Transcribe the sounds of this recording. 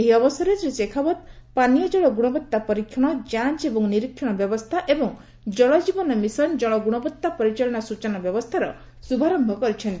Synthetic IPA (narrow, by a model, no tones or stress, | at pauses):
eɦiɔbɔsɔɾesɾisekʰabɔd̪̚panijɔd͡ʒɔɭɔɡuɽ̃ɔbɔt̪ːapɔɾikʰːjɔɽ̃ɔd͡ʒant͡ʃebɔŋniɾikʰːjɔɽ̃ɔbjɔbɔst̪ʰaʔebɔŋ | d͡ʒɔɭɔd͡ʒibɔnɔmisɔnd͡ʒɔɭɔɡuɽ̃ɔbɔt̪ːapɔɾit͡ʃɔlɔɽ̃ɔsut͡ʃɔnɔbjɔbɔst̪ʰaɾɔ | subʱaɾɔmbʱɔkɔɾit͡ʃʰɔnt̪i